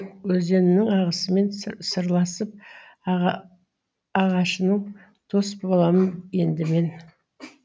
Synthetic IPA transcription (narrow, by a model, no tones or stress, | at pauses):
wɵze̞nɪnɪŋɑʁəsəme̞nsəɾlˠɑsəp̚ | ɑʁɑʃənəɴ | t̪ʰo̞sbolˠɑmənje̞nd̪ɪme̞n